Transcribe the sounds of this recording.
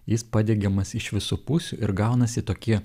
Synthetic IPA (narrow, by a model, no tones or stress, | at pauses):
jɪspɐd̪ʲɛɡʲɛmɐsɪʃʋʲɪsupusʲuʔɪɾɡɑʊnɐsʲɪt̪oːkʲiɛ